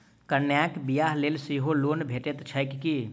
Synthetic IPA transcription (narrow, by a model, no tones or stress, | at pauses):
kəɾnjakbijaɦleːlsiɦoloːnbʱeːʈet̪t͡ʃʰəjkki